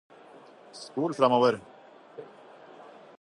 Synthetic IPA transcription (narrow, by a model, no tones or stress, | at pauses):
skuːlfɾamɔːvəɾ